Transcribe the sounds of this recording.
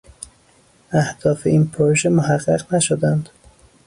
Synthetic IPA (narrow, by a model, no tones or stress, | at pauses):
æhd̪̥ɒːfeinpʰoɾoʒemoɦæɢːæɢnæʃod̪ænd̪̥